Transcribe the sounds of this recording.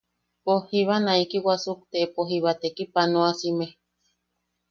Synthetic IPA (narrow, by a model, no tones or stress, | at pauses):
pohiβanãikiwasuk̚t̪eʔepoɦiβat̪ekipanõasime